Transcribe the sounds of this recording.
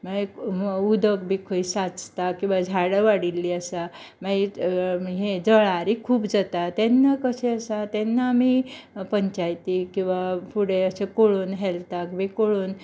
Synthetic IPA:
maiud̪əkbʱikʰəisat͡st̪akĩw̃ʋad͡zʱaɽəʋaɽilːiəsa | mai | ɦed͡zəɭaɾikʰuːpd͡zət̪at̪ɛnːakəseəsat̪ɛnːamipəɲt͡ɕajt̪ikĩw̃ʋafuɽeəsekoɭuːnɦɛlt̪akbikoɭuːn

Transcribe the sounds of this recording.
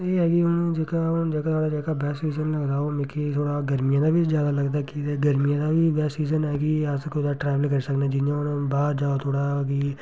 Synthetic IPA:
eɦɛɡiʊnd͡ʒekaʊnd͡ʒakat̪ʰoːɽad͡ʒaːkabɛːsiːzənlɐɡd̪aomẽːkit̪ʰoːɽaɡɐɾmijãd̪abʱizjaːd̪alɐɡd̪akiɡɐɾmijãd̪abʱibɛːsiːzənɛːɡiaskod̪aʈɾɛːʋəlkɐɾsɐkned͡ʒɪãʊnbaːɾd͡ʒaːot̪ʰoːɽaɡi

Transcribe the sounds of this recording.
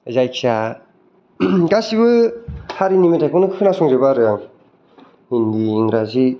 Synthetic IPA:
zajksa | ɡasiβɯhaɾinimitʰajkʰɔnɯkʰɯnasɔŋzɯbaɾɯjaŋ | hindiːŋɾazi

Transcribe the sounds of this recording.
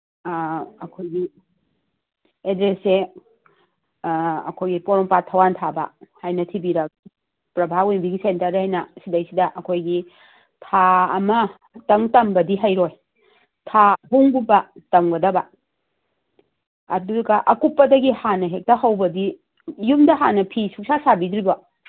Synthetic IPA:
ɐkʰojɡi | edɾese | ɐ̰kʰojɡipoɾɔŋpatʰːɐwantʰabɐ̰hajnɐtʰibiɾɐk̚ | pɾɐbʱawenbiɡisentɐɾajnɐsidɐjsidɐʔɐkʰojɡi | tʰaːmɐ | tɐŋtɐmbɐdiɦajɾoj | tʰaɦuŋbubɐtɐmɡɐdɐbɐ | ɐduɾɐɡɐʔɐkupːɐdɐɡihanɐɦek̚tɐɦɐwbɐdi | jumdɐɦanɐpʰisuk̚sasabidɾibɐ

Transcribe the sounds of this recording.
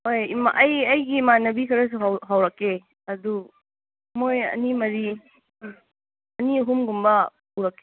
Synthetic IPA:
hojima̰ʔɐjɐjɡimanɐbikʰɐɾɐs̬uɦawɦawɾɐkːe | ɐdu | mojɐ̰nimɐɾi | ɐniɦumɡumbɐpuɾɐkːe

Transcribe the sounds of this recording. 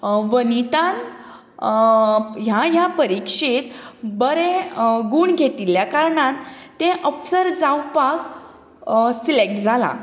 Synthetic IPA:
ʋənit̪ãn | jajapəɾikʂit̪bəɾẽɡuːɳɡʱet̪iljakaɾɳat̪ːẽʔəfsəɾd͡zawpak | silek̚ʈd͡zʱala̰

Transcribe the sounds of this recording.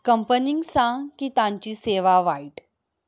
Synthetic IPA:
kəmpəniŋɡsãkit̪ãɲt͡ɕiːseʋaʋaiʈ

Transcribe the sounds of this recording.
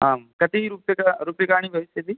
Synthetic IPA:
ɦamkɐt̪iɾuːpjɐkaɾuːpjɐkaːɽ̃ibʱɐʋisjɐt̪i

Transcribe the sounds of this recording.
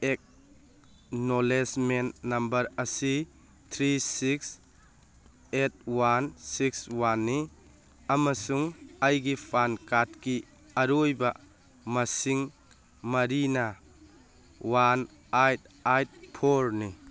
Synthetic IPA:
ek̚ | nolesmenːɐmbɐɾɐsi | tʰɾisiks | et̚wansikswanːi | ɐmɐsuŋajɡipʰankat̚ki | ɐɾujbɐ | mɐsiŋ | mɐɾinɐ | wan | ajt̚ | ajt̚pʰoɾni

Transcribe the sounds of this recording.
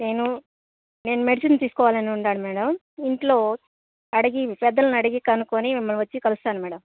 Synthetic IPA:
ne̞ːnu | ne̞ːnumeɽisɐnt̪iːsu̥kɔːʋaːlɐniuɳɖaːɽumɛːɽɐm | iɳʈlo̞ː | ɐɽiɡipɛd̪ːɐlɐnɐɽiɡikɐnukoːnimimːɐlʋɐt͡ʃːikɐlust̪aːnumɛːɽɐm

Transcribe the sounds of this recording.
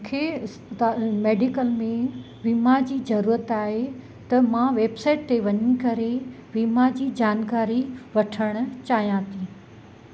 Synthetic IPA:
kʰe | meːɖɪkəlmẽ | ʋimad͡ʑiːzɐɾuːɾət̪aːɦe | t̪ɐmãʋeːbsaːɪʈ̚t̪eʋɐɲikɐɾe | ʋimad͡ʑiːd͡ʑaːnkaːɾiʋɐʈʰəɽ̃ʊ̆t͡ɕaːɦijãːt̪ʰĩ

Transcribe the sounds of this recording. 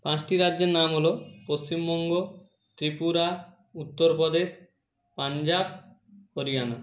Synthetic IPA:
pãt͡ɕʈiɾadʑeɾnamɦolopost͡ɕimbɔŋɡo | t̪ɾipuɾa | ut̪ːoɾpɔd̪eʃ | pand͡ʑab | hoɾiɡano

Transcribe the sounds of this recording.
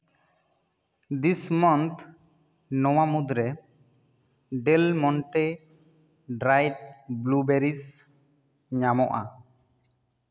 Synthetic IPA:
d̪ismɔnt̪ | nɔwamud̪ɾɛ | ɖɛlmɔɳʈe | ɖɾajt̚blubeɾis | ɲamɔʔa

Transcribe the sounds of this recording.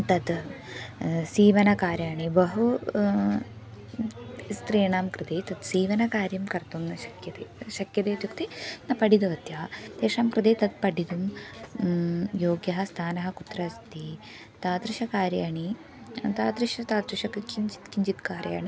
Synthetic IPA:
t̪ɐd̪ | siːʋɐnɐkaːɾjaːɳibɐɦu | st̪ɾiːɳaːmkɾɨt̪eːt̪ɐd̪siːʋɐnɐkaːɾjɐmkɐɾt̪umnɐʃɐkjɐt̪eːʃɐkjɐt̪eːt̪jukt̪inɐpɐɖid̪ɐʋɐt̪jɐːɐt̪eːʂaːmkɾɨt̪eːt̪ɐd̪̚pɐɖid̪um | joːɡjɐɦɐst̪ʰaːnɐɦɐkut̪ɾɐst̪i | t̪aːt̪ɾiʃɐkaːɾjaːɳi | t̪aːd̪ɾiʃɐt̪aːd̪ɾiʃɐkkiɲt͡ʃi̥t̪kiɲd͡ʒit̪kaːɾja̰ːɳi

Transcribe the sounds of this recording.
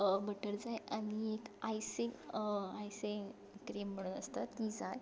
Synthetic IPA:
bəʈəɾd͡zajaniekajsiŋajsiŋ | kɾem̤ːəɽ̃unəst̪at̪id͡zaj

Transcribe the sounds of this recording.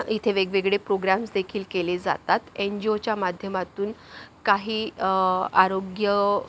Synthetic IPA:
it̪ʰeʋeɡʋeɡɭepɾoɡɾamsd̪ekʰiːlkeled͡za̰t̪at̪end͡ʑiot͡ɕjamad̪ʱjəmat̪uːnkaɦiː | aɾoɡjə

